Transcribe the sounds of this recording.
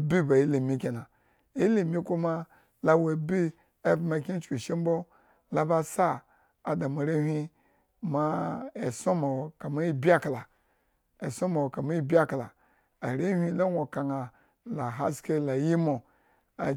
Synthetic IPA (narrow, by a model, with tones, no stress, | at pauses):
bi˦ba˨i˦le˨mʲi˦kʲe˨na˨ | e˦le˨mi˦ku˦ma˦ | la˦we˨bi˦ | e˦bma˨kʲi˦n˦t͡ʃkʲi˨ʃe˦m˦bo˦ | la˦ba˦sa˦ | a˨da˨ma˨ɾe˦hʲʷi˦ | ma˦e˨so˦ma˨wo˨ka˨ma˦i˦bi˦a˦kla˨ | e˨so˦ma˨wo˨ka˨ma˦i˦bʲi˦a˦kla̰˨ | a˨ɾe˦hʲʷi˦la˦ŋʷo˨ka˨ŋa˨ | la˨ɦa˦ske˦la˨ji˦mo˨ | a˨